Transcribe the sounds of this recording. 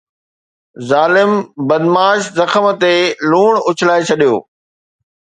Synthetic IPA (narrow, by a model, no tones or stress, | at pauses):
zaːlɪmbɐd̪maːʃzɐxəmə̆t̪eluːɽ̃ʊt͡ɕʰɪlaːet͡ɕʰɐɗijo̰ː